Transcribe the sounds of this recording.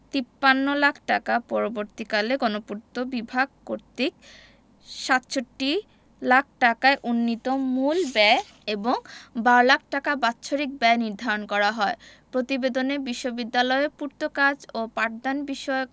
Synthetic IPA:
t̪ipːanːolakʰʈakapɔɾoboɾt̪ikaleɡɔnopuɾt̪obibʱaɡ̚koɾt̪ik̚ | ʃat̪ɕʰoʈːi | lak̚ʰʈakaeʔunːit̪omulbɛ | eboŋbaɾolak̚ʰʈakabatːʃʰoɾik̚bɛniɾd̪ʱaɾonkɔɾaɦɔe | pɾot̪ibed̪onebiʃːobid̪ːalɔepuɾt̪okad͡ʑopaʈ̚d̪anbiʃɔeok

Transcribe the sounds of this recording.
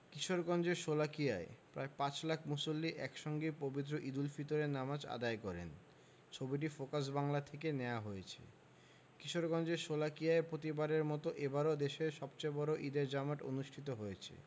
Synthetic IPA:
kiʃoɾɡɔnd͡ʑeɾʃolakijaepɾaepat͡ɕlakʰmusolːiʔɛkʃɔŋɡepobit̪̬ːɾoʔid̪ulfit̪oɾeɾnamad͡ʑa̰d̪aekɔɾḛn | t͡ɕʰobiʈ̬ifokas̬baŋlat̪ʰek̬eneoaɦojet͡ɕʰḛ | kiʃoɾɡɔnd͡ʑeɾʃolakijaepɾot̪ibaɾeɾmɔt̪oʔebaɾod̪eʃeɾʃɔbt͡ɕaebɔɾoʔid̪eɾd͡ʑamaʈo̰nuʃʈʰit̪̬oɦojet͡ɕʰḛ

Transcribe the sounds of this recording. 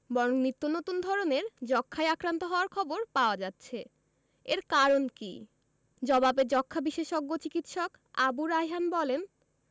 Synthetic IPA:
bɔɾoŋnit̪ːonot̪und̪ʱɔɾoneɾd͡ʑɔkʰːajakɾant̪oɦɔoaɾkʰɔboɾpaoad͡ʑatːɕʰe | eɾkaɾonkḭ | d͡ʑɔbabed͡ʑɔkʰːabiʃeʃoɡːot͡ɕikit̪ʃɔk | abuɾaɦjɦanbɔlen

